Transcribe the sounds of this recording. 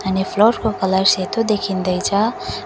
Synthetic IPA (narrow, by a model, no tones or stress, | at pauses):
ʌnipʰloɾkokʌlaset̪od̪ekʰind̪ʌjt͡sʰʌ